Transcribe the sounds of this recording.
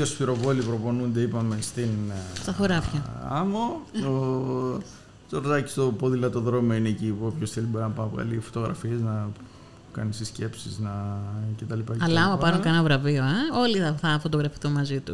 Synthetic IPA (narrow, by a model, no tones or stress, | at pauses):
osfiɾo̞vo̞lipɾo̞po̞nund̪e̞ipɐme̞st̪inst̪ɐθoɾɐfçɐɐ̰moo | t͡soɾðɐci̥st̪o̞poðilɐt̪oðɾo̞moinecipuopçosθelibo̞ɾinɐpɐnɐpoɣɐ̰lifot̪o̞ɣɾɐfie̞znɐ | kɐnisisce̞psiznɐcet̪ɐlipɐɐlɐɐmɐpɐɾuŋkɐenɐvɾɐvio̞eo̞liɐθɐfo̞t̪o̞ɣɾɐfi̥θonmɐzit̪u